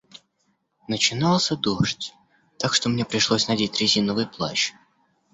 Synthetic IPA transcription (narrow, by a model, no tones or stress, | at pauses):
nət͡ɕɪnɑlˠsʲəd̪oʂtʲ | t̪akʂt̪omnʲepɾʲɪʂlˠosʲnɐdʲetʲɾʲɪzʲinəvɨjplˠa̰t͡ɕ